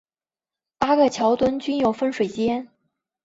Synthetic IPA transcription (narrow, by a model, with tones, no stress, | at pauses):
pa˥ɡə˨t͡ɕʰjɑ˧˥ʊt̪wə˥nt͡ɕy˥njo˨˩ʊfə˥nʂwe˨˩ɪt͡ɕjɛ˥n